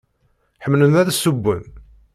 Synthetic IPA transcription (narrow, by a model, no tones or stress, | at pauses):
ħəmlənæðsːubːə̰n